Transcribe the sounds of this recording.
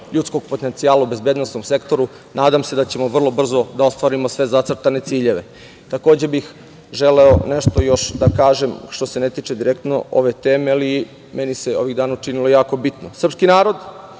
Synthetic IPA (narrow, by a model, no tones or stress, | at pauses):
ʎut̪sko̞ɡ̚pot̪ent̪siaːlaube̞zbeːd̪nosnomse̞kt̪o̞ɾu | nʔaːd̪amsed̪at͡ɕe̞mo̞ʋr̩lˠo̞br̩zo̞d̪ao̞st̪ʋaɾimo̞sʋe̞zat̪sr̩t̪ane̞t̪siːʎe̞ʋe̞̰ | t̪ako̞ːd͡ʑebix | ʒele̞oneʃt̪ojo̞ʃd̪akaːʒe̞mʃt̪ose̞net̪iːt͡ʃed̪iɾekt̪no̰o̰ʋe̞t̪eːmeali | meniseo̞ʋid̪aːnaut͡ʃinilojaːko̞bit̪nosɾr̩pskinaːɾo̞d̪